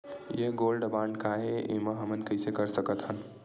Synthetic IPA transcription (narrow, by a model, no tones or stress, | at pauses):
jeɡolɖbaɳɖkaeḛməɦəmənkəɪsekəɾsəkət̪ɦən